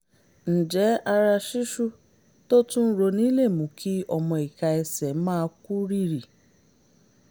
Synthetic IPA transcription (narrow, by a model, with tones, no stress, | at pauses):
n̩˨d͡ʒɛ˨˦a˧ɾa˧ʃi˦ʃu˦ | to˦tũ˦n̩˦ɾo˧nĩ˨˦le˦˨mũ˨˦kʰi˦ɔ˦mɔ̃˧i˨ka˧ɛ˧sɛ˨˦mãː˦ku˦ɾi˦ɾi˨